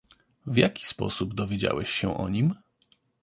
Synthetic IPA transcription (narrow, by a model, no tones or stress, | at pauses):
vʲjakʲi̥spɔ̰subd̪ɔvʲjed͡ʑa̰wɛɕɕɛʔɔ̰ɲim